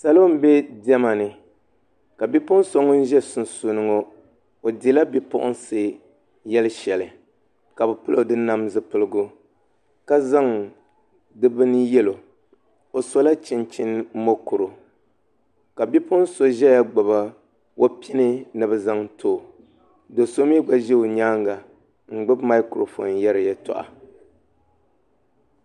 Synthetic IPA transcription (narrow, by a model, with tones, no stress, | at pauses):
sa˨lo˦m̩˦bɛ˦di˦ɛ˦ma˨nɨ˨ | ka˨bi˦pʊ˦ʔʊ˦n˦so˦ŋɔ˦n̩˦ʒɛ˦sʊ˨n˨su˨nɨ˨ŋo˦ | o˨di˨˦la˦bi˦pʊ̰˦ʔʊ̰˦nsɨ˨ | jɛ˦lɨ˦ʃɛ˨lɨ˨ | ka˨bɛ˨pɨ˦lo˦˨dɨ˦na˦mzɨ˦pɨ˦lɨ˦ɡʊ˦ | ka˦za˦ŋ | dɨ˦bɨ˦nɨ˦jɛ˦lo˨ | o˨so˦la˦t͡ʃɪ˨nt͡ʃɪ˦n˦mo˦kʊ˨ɾʊ˨ | ka˨bi˦pʊ˦n˦so˦ʒɛ˦ja˦ɡ͡ba˨βa˦ | wʔo˦pi˦nɨ˦nɨ˨bɨ˨za˦ŋtʰo˦˨ | do˨so˦mi˦ɡ͡ba˦ʒe˦o˨ɲaː˦ŋɡa˨ | ŋ̩˨ɡ͡bɨ˦bma˦ɪ˦kɾo˨fo̰˨njɛ˦ɾɨ˨jɛ˦tɔ̰˨ʔa̰˨